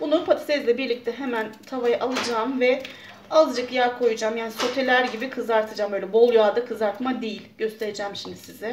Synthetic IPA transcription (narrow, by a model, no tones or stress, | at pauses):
b̥unˠaɾupʰat̪ʰi̥sɛzlʲɛbiɾlʲic̚t̪ʰɛɦemænt̪ʰavajaʔalˠɯd͡ʒaːmvɛ | azd͡ʒɯkjaɾkʰo̞jud͡ʒaːmjaːniso̞t̪ʰe̞lʲæɾɟibikʰɯzaɾt̪ʰɯd͡ʒaːmbøːlʲɛbo̞lˠjaːd̪akʰɯzaɾt̪mad̪ejilʲɟø̞st̪ʰe̞ɾed͡ʒɛːmʃimd̪isizɛ